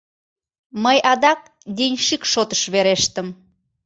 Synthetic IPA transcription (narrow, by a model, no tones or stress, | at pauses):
məjʔɑd̪ɑk̚ | d̪inʲʃikʃot̪ə̥ʃβeɾeʃt̪əm